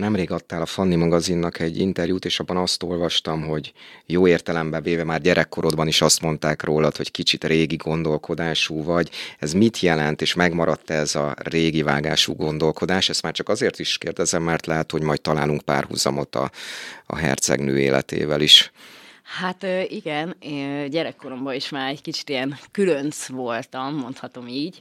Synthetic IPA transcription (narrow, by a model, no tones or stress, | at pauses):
nɛmreːɡɒt̪ːaːlɒfɒnːimɒɡɒzinːɒkʰɛɟːḭnt̪ɛrjuːt̪eːʃɒbːɒnɒst̪o̞lvɒʃt̪ɒmɦo̞ɟjoːeːrt̪ɛlɛmbɛveːvɛmaːrɟɛɾʔɛkːo̞ɾo̞d̪bɒniʃɒst̪mo̞n̪t̪aːkroːlɒt̪ho̞ɟkit͡ʃit̪reːɡiɡo̞nd̪o̞lkʰo̞d̪aːʃuːvɒɟɛzmit̪jɛlɛnt̪eːʃmɛɡmɒɾɒt̪ːɛzɒreːɡivaːɡa̰ːʃṵːɡo̞nd̪o̞lko̞d̪aːʃɛst̪maːrt͡ʃɒkɒzeːrt̪iʃkeːrd̪ɛzɛmːɛrt̪lɛɦɛt̪ho̞ɟmɒjtt̪ːɒla̰ːluŋkpa̰ːrhṵzɒ̰mo̞t̪ɒ̰ɒ̰ɦɛ̰rt̪sɛ̰ɡnø̰ːḛːlɛ̰t̪ḛːvɛliʃ | hat̪øʔiɡɛneɟɛɾɛkːo̞ɾo̞mbɒiʃmaːɾɛckit͡ʃi̥t̪ijɛnkylønsʋo̞lt̪ɒmːo̞nt̪hɒt̪o̞miːɟ